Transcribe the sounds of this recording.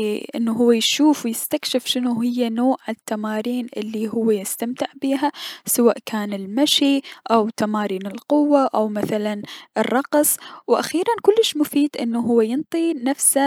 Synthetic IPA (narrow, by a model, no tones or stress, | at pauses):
ʔɪ̰nːuɦʊwːajʃuːfwjɪst̪akʃɪfʃɪnuɦɪjːanoːʔʕanɪt̪ːamaːɾiːnʔɪ̰lːiɦʊwːajɪst̪amt̪ɪʕbiːɦasawaːʔkʰaːnɪlmaʃiʔawt̪amaːɾiːnɪlqʊwːaʔawmaθalanɪrˤːɑqsˤwʔa̰xiːɾankʊlːɪʃmʊfiːd̪ʔɪnːuɦʊwːajɪnt̪ˤinafsa